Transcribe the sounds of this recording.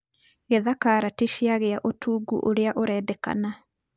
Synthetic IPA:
ɣeðakaɾatiʃiaɣeaʔotʰuːɡṵʔoɾeaʔoɾɛːdɛka̰na

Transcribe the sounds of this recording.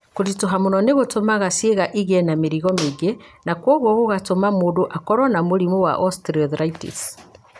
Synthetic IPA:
koɾitoɦamonɔneɣotomaɣasieɣaʔiɣɛnameɾiɣɔmeɡenakwɔɣwɔɣoɣatomamoːdoʔakɔɾɔnamoɾimowa̰ʔɔstɾiɔðɾaitḭs

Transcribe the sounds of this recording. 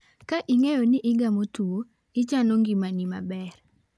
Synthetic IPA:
kaʔiŋejonɪʔɪɡamotuo | ɪt͡ʃanoŋɡimanima̰bɛr

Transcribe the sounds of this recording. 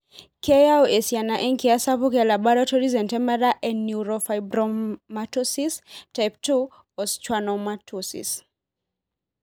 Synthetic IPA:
kɛjaɔʔɛsianaʔɛŋkiasapukalaɓaɾɔtɔɾizɛntɛmɛɾaʔɛnːuɾɔfajbɾɔmatɔsistajp̚tu | ɔst͡ʃwanɔmatʰusḭs

